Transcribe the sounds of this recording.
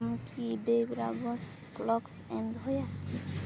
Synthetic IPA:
mkʰibejbɾa̰ɡɔs | klɔksɛnd̪ʱɦɔjaki

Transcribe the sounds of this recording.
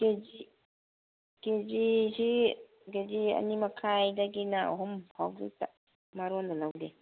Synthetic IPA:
ɡ̥ed͡ʒi | ɡ̥ed͡ʒisi | ɡed͡ʒia̰nimakʰajdaɡinaɔɦɔmhʰawbḭt̪a | maɾuand̪alawde

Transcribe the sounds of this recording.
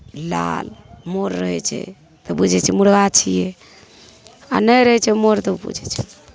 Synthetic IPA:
la̰lmoɾːəɦɛt͡ʃʰɛ̰ | t̪ɔbud͡ʒʱɛt͡ʃʰɛmuɽɡat͡ʃʰijɛ | a̰nəjɾəɦɛt͡ʃʰɛmoɾt̪əbṵd͡ʒʱɛt͡ʃʰɛ

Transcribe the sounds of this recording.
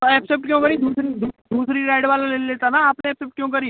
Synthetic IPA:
oɛpsep̚ʈkjõːkəɾĩd̪uːsɾid̪uːd̪uːsɾiɾaːɪɽʋaːlaleːleːt̪anaːpnẽɛːpsep̚ʈ̚kjõːkəɾiː

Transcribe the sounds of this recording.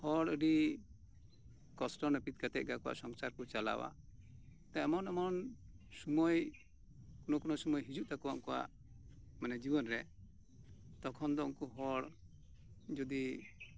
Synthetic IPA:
hɔɽəɖi | kɔsʈɔnəpit̪̚kat̪ɛt̪̚ɡakɔwa̰ʔsɔŋsaɾkɔt͡ʃala̰wa̰ | t̪aɔmɔnɔmɔn | sumɔj | kɔnɔkɔnɔsumɔjɦid͡ʒuʔt̪akɔwaʔkɔwa̰ʔ | manɛd͡ʒibɔnɾɛ | t̪ɔkʰɔnd̪ɔɔŋkɔɦɔɽ | d͡ʒɔd̪i

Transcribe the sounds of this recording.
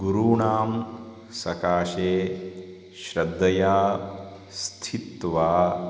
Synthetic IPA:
ɡuɾuːɳaːm | sɐkaːʃeː | ʃɾɐd̪ʱːɐjaː | st̪ʰit̪ʋaː

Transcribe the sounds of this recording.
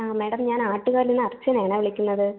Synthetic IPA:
ameːɽɐmɲaːnaːʈːuɣaːɾilinːɨɐrt͡ɕːɐneːɐɳeːʋiɭikʲːunːɐðɨ

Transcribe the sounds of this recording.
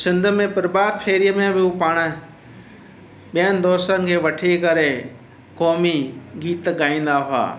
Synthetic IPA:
sɪ̃nd̪ʱmẽpɐɾbaːd̪xʰeːɾijəmẽbɪupaːɽ̃ | ɓijənɪ̆d̪ɔːsənɪ̆kʰeːʋɐʈʰekɐɾe | kɔːmiɡiːt̪ɠaːĩːnd̪aɦʊa̰ː

